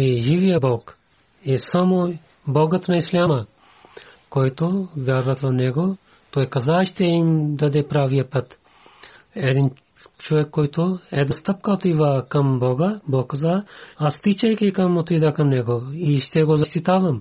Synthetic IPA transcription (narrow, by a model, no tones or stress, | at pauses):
iʒiʋijɐbɔɡ | esɐmo | bɔɡɐt̪nɐislʲamɐ | koːjt̪oʋʲjaɾʋɐt̪ʋɐnɛɡo | t̪oːjkɐzaːʃt̪eimd̪ɐd̪ɛpɾaːʋijɐpɐt̪ | ɛd̪in | t͡ʃɔʋɛkːoːjt̪oɛd̪ɐst̪ɐp̚kat̪iʋakɐmbɔɡɐbɔɡkɐzaːɐst̪it͡ʃɐjkikɐmot̪id̪ɐkɐmnɛɡoiʃt̪ɛɡozɐst̪it̪aːʋɐm